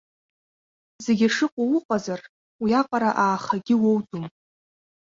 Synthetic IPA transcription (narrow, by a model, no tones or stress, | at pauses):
ze̞ɡʲaʂɨqʷʼʊwʊqʼazar | wiaqʼaɾaʔaːχaɡʲɪwowdum